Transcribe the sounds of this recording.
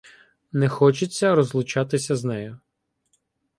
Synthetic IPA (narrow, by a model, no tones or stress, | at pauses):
nɛxɔt͡ʃɪt͡sʲːɐɾɔzlˠʊt͡ʃɑt̪ɪsʲɐznɛjɔ